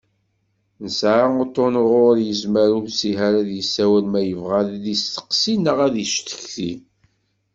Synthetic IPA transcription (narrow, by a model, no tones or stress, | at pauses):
nəsʕaot̪ˤːonʁʊɾjəzməɾuθsiɦaɾæðjəsːæwælmæjəvʁaððist̪ə̥qsinəʁæðiʃt̪ə̥çθi